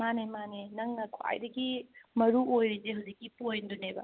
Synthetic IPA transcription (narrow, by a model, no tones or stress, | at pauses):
manemanenɐŋnɐkʰua̰jdɐɡimɐɾuojɾid͡ʒeɦɐwzik̚ːipojnd̪unebɐ̰